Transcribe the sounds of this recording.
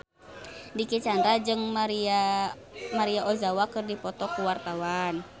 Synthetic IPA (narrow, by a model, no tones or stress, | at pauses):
dikit͡ʃand̪ɾad͡ʒɨŋ | maɾiaʔɔzawakɨrdipɔt̪ɔkuwart̪awan